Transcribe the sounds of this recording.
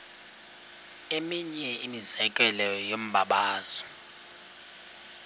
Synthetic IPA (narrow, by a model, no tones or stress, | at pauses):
emiɲɛimizɛkʼɛlɛjɔjom̩ɓʱaɓaːz̥ɔ̥